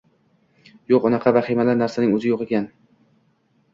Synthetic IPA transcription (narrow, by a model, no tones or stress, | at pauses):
joqɒnɑqʰɑvaχemalaɾnaɾsanɪŋɵzɪjoqekʲʰan